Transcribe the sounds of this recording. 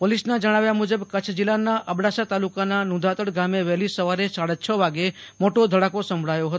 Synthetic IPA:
polisnad͡ʒəɽ̃aʋjamud͡ʒəbkət͡ʃʰd͡ʒilanaʔəbɽasat̪alukananũd̪ʱat̪əɽɡameʋɛlisəʋaɾesaɽət͡ʃʰəʋaɡemoʈod̪ʱəɽakosəmbʱɭajoɦət̪o

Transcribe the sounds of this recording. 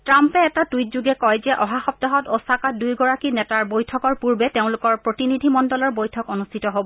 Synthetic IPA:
tɹampɛɛtatujt̚zuɡɛkɔjzɛʔɔɦaxɔp̚tɔɦɔtosakadujɡɔɹakinɛtaɹbojtʰɔkɔɹpuɹbɛteʊ̃lʊkɔɹpɹotinidʱimɔndɔlɔɹbojtʰɔkonustʰitɔɦobɔ

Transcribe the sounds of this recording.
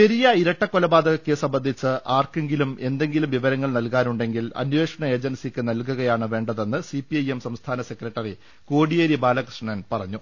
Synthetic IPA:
pe̞ɾijɐiɾɐʈːɐkːolɐbaːd̪ʱɐɣɐkːɨsɐmbɐnd̪ʱit͡ɕːɨʔaːrkeŋɡilume̞nd̪e̞ŋɡilumʋiʋɐɾɐŋːɐɭnɐlkaːnuɳɖe̞ŋɡilɐ̰nʋe̞ːʂɐɳɐe̞ːd͡ʑɐnsikʲːɨnɐlkuɣɐjaːɳɨʋe̞ːɳɖɐðe̞nːɨsipiɐjemsɐmst̪ʰaːnɐse̞krɐʈːɐri | koːɽijeːɾibaːlɐkrɨʂɳɐnpɐrɐɲːu

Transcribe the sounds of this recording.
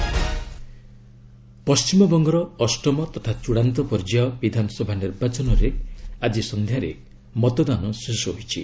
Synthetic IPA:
pɔst͡ʃimɔbɔŋɡɔɾɔːsʈɔmɔt̪ɔt̪ʰat͡ʃuɽant̪ɔpɔɾd͡ʒaɔbid̪ʱanɔsɔbʱaniɾbat͡ʃɔnɔɾead͡ʒisɔnd̪ʱjaɾe | mɔt̪ɔd̪anɔsesɔɦoit͡ʃʰi

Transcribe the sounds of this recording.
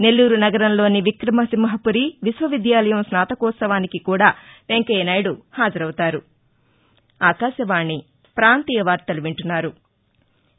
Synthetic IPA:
ne̞lːuːɾunɐɡɐɾɐnlo̞ːniʋikɾɐmɐsimːɐɦɐpuɾiʋisʋɐʋid̪jaːlɐjɐmsnaːt̪ɐkɔːt̪sɐʋaːnikikuːɽaːʋeŋkɐjnɐjɽuhaːd͡ʒɐɾɐwut̪aːɾu | aːkaːʃɐʋaːɳːi | pɾaːnt̪iːjɐʋaːɾt̪ɐluʋiɳʈunːaːɾu

